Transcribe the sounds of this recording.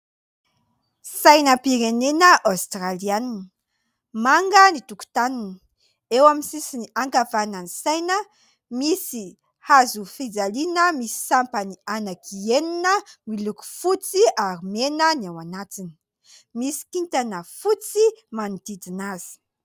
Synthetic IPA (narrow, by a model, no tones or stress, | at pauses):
sajnəpiɾenenəʔawst̪ralianinə | maŋɡənit̪uku̥t̪anunə | ewamisisiniaŋkavananisajnə | misi | hazufid͡zalinəmisi̥sampənianakʰieninəmiluku̥fut͡siaɾimenənawanatini̥ | misi̥kint̪anəfut͡simanid̪id̪inazi̥